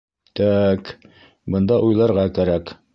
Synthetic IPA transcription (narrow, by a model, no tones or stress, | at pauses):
t̪æk | bɤ̆nd̪ɑʔujlˠɑɾʁɑkæɾæk